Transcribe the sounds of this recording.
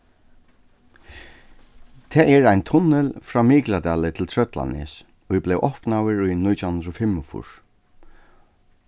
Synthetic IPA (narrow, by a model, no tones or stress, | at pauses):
t̪ʰɛːʔɛɹaɪnt̪ʰʊnɛlfɾaːmiːklad̪aːlɪt̪ʰɪlt̪ʰɹœt̪la̰nɪ̰s | ɔiblɛwʔɔhpnawɪɹujnʊt̪ʰjʊhaʊnd̪ɾɔfɪmːʊfʊ̰ʂ